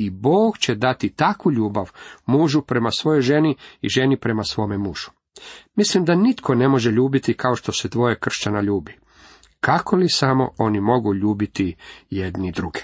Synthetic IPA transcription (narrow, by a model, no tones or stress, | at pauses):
iboːɡt͡ɕed̪at̪it̪akʋuʎuːbaʋmuːʒupɾe̞masʋo̞jo̞jʒe̞niḭʒe̞nipɾe̞masʋo̞ːme̞muːʒ̥u̥ | mislimd̪anit̪kʰo̞ne̞mo̞ʒeʎuːbit̪ikao̞ʃt̪o̞se̞d̪ʋo̞jekr̩ʃt͡ɕanaʎuːbi | kako̞lisamo̞̰o̞nimo̞ɡuʎuːbit̪ijed̪nid̪ɾuɡe̥